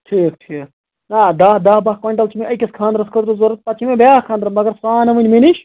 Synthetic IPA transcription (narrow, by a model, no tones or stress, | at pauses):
ʈʰiːk̚ʈʰiːk̚ | nad̪aːd̪aːbɐkoɳʈɐlt͡ʃʰimẽʔɐjkʲɐskʰãːnd̪ɾɐskɐɾd̪uzoɾɐt̪̚pɐt͡ʃʰimẽbʱʲjaːhkʰaːnd̪ɾɐmɐɡɐɾsaːnɐʋɨnʲmeniʃʰ